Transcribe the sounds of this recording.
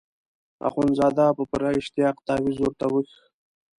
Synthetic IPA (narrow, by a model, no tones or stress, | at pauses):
a̰χunzɑːd̪ɑpəpəɾaɪʃt̪ɪjɑqt̪ɑwizoɾt̪awəx